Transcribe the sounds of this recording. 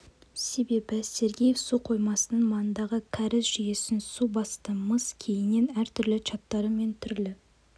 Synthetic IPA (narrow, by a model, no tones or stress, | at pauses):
se̞be̞bɪse̞ɾɡʲejefsuqʰo̞jmɑsənəɴmɑnənd̪ɑʁəkʲʰæɾɪsʒʏje̞sɪnsubɑst̪əməskʲʰe̞jɪnːe̞næɾt̪ʰʏɾlɪt͡ʃʰɑt̪ːɑɾəme̞nt̪ʰʏɾlɪ